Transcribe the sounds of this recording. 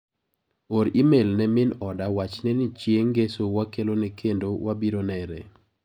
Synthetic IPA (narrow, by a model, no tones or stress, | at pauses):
oɾimelnɛmɪnɔdawat͡ʃnɛnɪt͡ʃjeŋɡesowakelonɛkʰendowabiɾonɛɾɛ̰